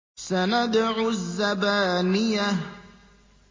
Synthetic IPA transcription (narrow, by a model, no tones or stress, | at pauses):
sanad̪ʕuzːabaːnija